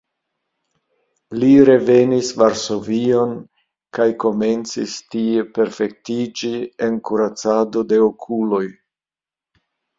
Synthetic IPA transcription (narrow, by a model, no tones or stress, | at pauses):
liɾe̞ve̞nisvaɾso̞vio̞n | kajko̞me̞nt͡sistie̞pe̞ɾfe̞k̚tid͡ʒienkuɾat͡sado̞de̞okʰulo̞j